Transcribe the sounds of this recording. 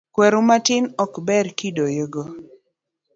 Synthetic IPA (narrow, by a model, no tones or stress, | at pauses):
kwɛɾomatɪnɔkbɛrkidojoɡo